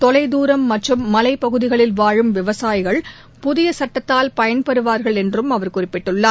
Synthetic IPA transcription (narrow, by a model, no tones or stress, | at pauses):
t̪ɔlɐɪd̪uːɾɐmːɐʈrɯmːɐlɐɪpːɐɣɯðɪɣɐɭɪlʋaːɻɯmʋɪʋɐsaːjɪɣɐɭ | pʊðɪjɐsɐʈːɐt̪ːaːlpɐjɐnpɐɾɯʋaːɾɣɐɭɛndrɯmɐʋɐɾkʊrɪpːɪʈːɯɭːaː